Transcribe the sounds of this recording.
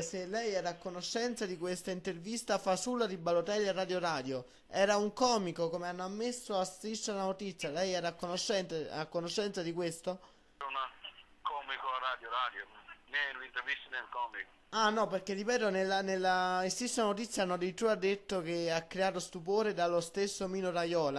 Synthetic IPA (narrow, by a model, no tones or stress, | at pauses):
selːɛjɛːɾaːkːonoʃːɛnt̪sad̪ikwest̪aint̪ervist̪afasulːaɾibalot̪ɛlarad̪joɾaːd̪jo | ɛːɾauŋkɔːmikokomeanːoamːesːoast̪ɾist̪ːonanot̪it̪sːjalɛjɛːɾaːkːonoʃːɛnt̪akːonoʃːɛnt̪sad̪ik̬west̪o | unakɔːmikoarːad̪joɾaːd̪jonenuint̪eɾvist̪anelkɔːmikoanːɔperkerːipɛːt̪onelːanelːaest̪ist̪ːaanot̪̬it̪sːjanːod̪it̪ɾuad̪ːet̪ːok̟eakːɾeaːt̪ost̪upoːɾed̪alost̪esːomiːnoɾajɔːla